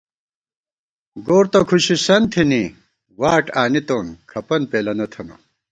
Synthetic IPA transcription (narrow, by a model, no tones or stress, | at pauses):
ɡoːɾt̪ɐkʰuɕisɐnt̪ʰini | waːʈaːnit̪oːnkʰɐpɐnpeːlɐnɐt̪ʰɐnɐ̰